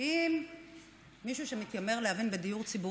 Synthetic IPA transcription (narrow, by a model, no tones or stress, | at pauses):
imː | iʃuʃemit̪jameʁleɦavinbed̪ijuʁt͡sibu